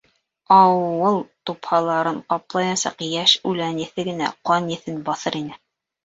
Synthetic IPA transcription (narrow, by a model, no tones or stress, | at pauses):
ɑwɤlˠt̪uphɑlˠɑɾɤɴqɑplˠɑjɑsɑ̰qjæʃʉlænɘ̆θɘɡɘ̆næ̰qɑnjɘ̆θɘnbɑθɤɾinɘ